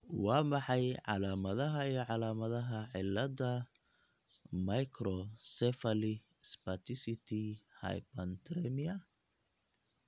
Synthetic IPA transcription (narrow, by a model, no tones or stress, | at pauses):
wɑːmɑħɑjʕɑ̰laːmɐðɐɦɐijɔʕɑlaːmɐðɐɦɐʕɪlːɐdɐ | mɐjkʰrɔsɛfɐli | spɐt̪ʰɪsɪt̪ʰihɐ̰jpɐnt̪ɾɛmiɐ